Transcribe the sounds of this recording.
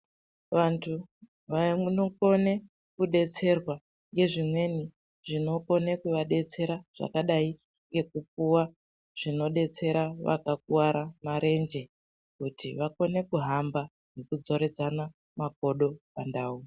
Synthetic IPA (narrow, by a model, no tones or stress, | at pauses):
ʋantʰu | ʋanoko̞ne̞ | kuɗe̞t͡se̞rwa | ŋɡe̞ʐimwe̞ni | ʐino̞ko̞ne̞kuʋaɗe̞t͡se̞ɾaʐ̥a̰kaɗai | ŋɡe̞kup̚uwa | ʐ̥ino̞ɗe̞t͡se̞ɾaʋa̰kak̚uwaɾamaɾe̞nd͡ʒe̞ | kutʰiʋako̞ne̞kuɦamba | nokud͡zo̞ɾe̞d͡zana | mako̞ɗo̞pandaːu